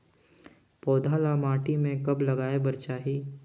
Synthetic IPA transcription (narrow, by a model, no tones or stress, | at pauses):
pɔːd̪ʱaːlamaːʈimẽkɐblɐɡaːebɐɾt͡ʃaːɦiː